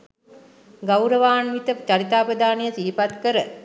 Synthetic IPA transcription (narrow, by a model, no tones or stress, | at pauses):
ɡawɾəʋaːnʋit̪ət͡ʃaɾit̪aːpəd̪aːnijəsiːpat̪kəɾə